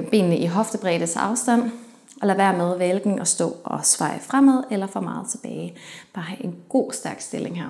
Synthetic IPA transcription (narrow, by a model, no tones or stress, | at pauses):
b̥ḭːnnəʔiɦɒ̽fd̥əb̥ʁɛːɾ̥ət͡sʰɑ̈ʊsd̥æn̰ | ʔɒ̽læʋæɐ̰með̞ˠʋelɡ̥n̩ʔɒ̽sd̥ɔ̰̽ːɒ̽sʋɑ̈ɪfʁam̰æð̞̰ˠelɐfɒ̽mɑ̈ːð̞̩ˠt͡sʰe̝b̥ɛːɪb̥ɑ̈ːɦæʔe̝nɡ̥o̝̰ːsd̥æɐɡ̥sd̥e̝le̝ŋɦæɐ